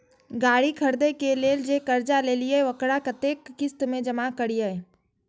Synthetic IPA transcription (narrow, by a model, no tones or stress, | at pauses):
ɡaːɽikʰəɾd̪ekeleːld͡ʒekəɾd͡ʒaleːlieʋəkɽakət̪eːkːɪst̪mẽd͡ʒəmakəɽijəe